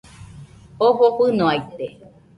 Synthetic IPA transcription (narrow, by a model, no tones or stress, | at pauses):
oɦoɸɨnõajt̪e